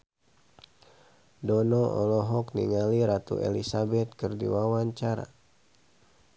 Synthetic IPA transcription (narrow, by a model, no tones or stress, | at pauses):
dɔnɔʔɔ̰lɔɦɔknḭŋaliɾat̪ṵʔḛlisabɛt̪̚kɨrdḭwawaɲt͡ʃaɾa̰